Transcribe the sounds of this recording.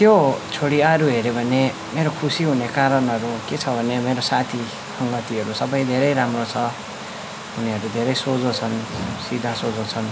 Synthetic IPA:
t̪jot͡sʰoɽiaɾuɦeɾebʱʌne | meɾokʰusiɦunekaɾʌnɦʌɾuket͡sʰʌbʱʌnemeɾosat̪ʰi | sʌŋɡʌt̪iɦʌɾusʌbʌjd̪ʱeɾʌjɾamrot͡sʰʌ | ɦuniɦʌɾud̪ʱeɾʌjsod͡zot͡sʰʌnsid̪ʱasod͡zot͡sʰʌn

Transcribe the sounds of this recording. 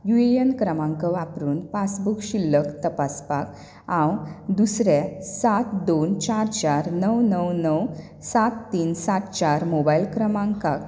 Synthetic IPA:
juejənkɾəmãŋkəʋapɾuːnpasbukɕilːəkt̪əpaspak | ãwd̪usɾɛ̃sat̪d̪ont͡ɕaɾt͡ɕaɾnəwnəwnəw | sat̪ːiːnsat̪t͡ɕaɾmobailkɾəmãŋkak

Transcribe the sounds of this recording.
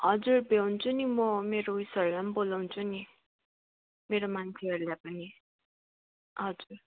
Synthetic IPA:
ɦʌd͡zurbewnt͡sʰunimʌmeɾoujsʌɾulambolawnt͡sʰuni | meɾomant͡sʰeʌɾulajpʌni | ɦʌd͡zur

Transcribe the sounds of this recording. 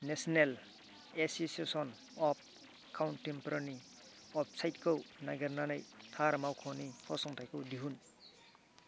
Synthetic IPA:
nesɔnel | esisesɔn | ɔp̚ | kawntːempɔɾani | ɔp̚sajtkʰownaɡeɾnanajt̪ʰaɾmawkʰɔnihʰɔsɔŋtʰajkɯwdiɦun

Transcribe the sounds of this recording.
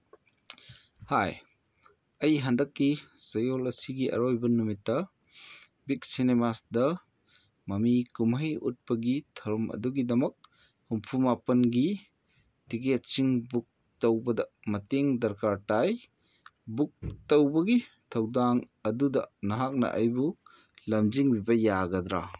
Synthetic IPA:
haj | ɐjɦandɐkːisɐjolɐsiɡiʔɐ̰ɾojbɐnumitːɐ | bik̚sinemasdɐ | mɐmikumɦɐjṵt̚pɐɡitʰɐɾmʔɐ̰duɡidɐmɐk̚ | humpʰumapɐnɡi | tiɡet͡ʃiŋbuk̚ | tɐwbɐdɐmɐteŋdɐɾkaɾtaj | buk̚tɐwbɐɡi | tʰɐwdaŋ | ɐdudɐ̰nɐɦak̚nɐ̰ʔa̰jbu | lɐmziŋbibɐjaɡɐd̪ɾa̰

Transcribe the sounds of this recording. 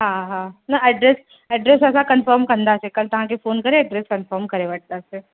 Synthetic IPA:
ɦãɦãnaɛɖɾes | ɛɖɾesɛːsakənfəːɾmkɐnd̪asekɐlt̪ɐɦãkefoːnkɐɾeɐɖɾeskɐnfəːɾmkɐɾeʋəʈ̚d̪ase

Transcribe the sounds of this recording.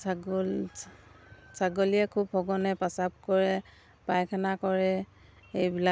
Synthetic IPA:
saɡɔl | saɡolijɛkʰubhɔɡɔnɛpasap̚kɔɹɛ | pajkʰanakɔɹɛ | ejbila

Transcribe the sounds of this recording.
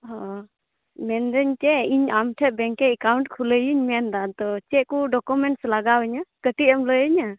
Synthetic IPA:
ɦɔ | mɛnd̪əɲt͡ʃɛiɲamʈʰɛʔ̪̚bɛŋkɛɛkawɳʈkʰuləjiɲmɛnd̪at̪ɔt͡ʃɛʔkuɖɔkumɛɳʈslaɡawɛɲakəʈ̪iʔəmləjəɲa

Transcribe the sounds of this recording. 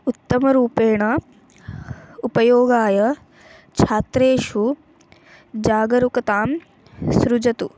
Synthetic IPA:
ʊt̪ːɐmɐɾuːpeːɽ̃ɐ | upɐjoːɡaːjɐ | t͡ʃʰaːt̪ɾeːʃu | d͡ʑaːɡɐɾukɐt̪aːm | sɾʊd͡ʑɐt̪u

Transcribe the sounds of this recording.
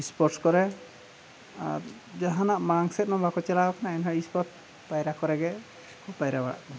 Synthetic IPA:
ispɔɾʈskɔɾɛ | a̰ɾ | d͡ʒaɦanaʔmaŋsɛt̪̚nɔbakɔt͡ʃɛlaɔknaɛnɦaispɔɾ | pajɾakɔɾɛɡɛ | kʰupajɾabaɽa̰ʔ

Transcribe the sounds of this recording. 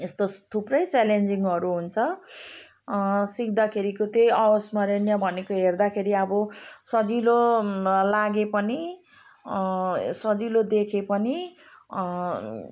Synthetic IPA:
est̪ot̪ʰuprʌjt͡salend͡ziŋʌɾuɦunt͡sʰʌ | sik̚d̪akʰeɾikot̪jejʌosmʌɾenjʌbʱʌnekoɦerd̪akʰeɾiʌbʌsʌd͡zilolaɡepʌni | sʌd͡zilod̪ekʰepʌni

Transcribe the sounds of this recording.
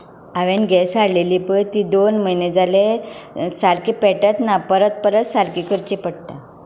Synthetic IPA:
aʋenɡʱɛsaɽleliːpəjt̪iːd̪onməjned͡zalesaɾkipɛʈət̪napəɾət̪̚pəɾət̪saɾkikəɾt͡ɕipəɽt̪a

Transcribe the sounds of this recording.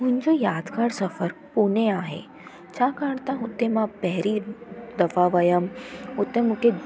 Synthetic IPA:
mʊ̃ɲd͡ʑojaːd̪kaːɾsɐfəɾpuneaːɦḛ | t͡ɕakaɽt̪ãɦut̪ːemãpɛɦɾid̪ɐfaʋəjəmʊt̪ːemũke

